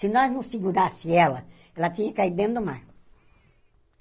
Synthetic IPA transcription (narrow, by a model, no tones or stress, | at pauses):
sɪnɔznɐ̃w̃siɡuɾasɪ̃ɛlɐ | ɛlɐt̪ĩɲɐkaid̪d̪ẽnd̪omaɾ